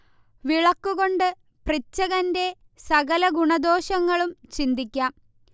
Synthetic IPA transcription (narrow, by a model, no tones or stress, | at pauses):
ʋiɭɐkːuɣo̞ɳɖɨ | prit͡ɕːɐɣɐnde̞ | sɐɣɐlɐɡuɳɐd̪o̞ːɕɐŋːɐɭumt͡ɕind̪ikʲːaːm